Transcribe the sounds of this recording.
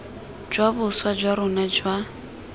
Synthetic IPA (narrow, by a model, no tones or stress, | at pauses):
d͡ʒwabʊswad͡ʒwaɾʊnad͡ʒwa